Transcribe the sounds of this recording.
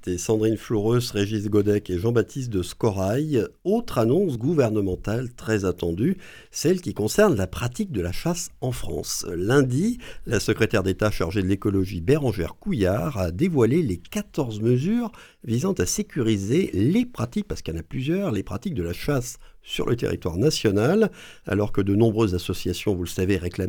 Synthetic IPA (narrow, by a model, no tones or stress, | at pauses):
et̪ɛsɑ̃d̪ʁinflɔʁøsʁeʒisɡɔd̪ɛkeʒɑ̃bat̪ʰist̪̚d̪əskɔʁajot̪χanɔ̃sɡuvɛʁnəmɑ̃t̪alt̪χɛzat̪ɑ̰̃d̪y | sɛlkʲikɔ̃sɛʁnlapχat̪ik̚d̪əlaʃasɑ̃fχɑ̰̃slɛ̃d̪ilasəkχet̪ɛʁd̪et̪aʃa̰ʁʒed̪əlekɔlɔʒibeʁɑ̃ʒɛ̰ʁkujaʁad̪evwalelekat̪ɔʁzməzyːʁ | vizɑ̃t̪asekʲyʁizelepχat̪ik̚paʁskjɑ̃naplyzjœʁlepχat̪ik̚d̪əlaʃasːy̰ʁlʔə̰t̪ḛʁḭt̪wa̰ʁnasjɔnal | a̰lɔʁkəd̪ənɔ̃bʁøzːasɔsjasjɔ̃vulsaveʁeklam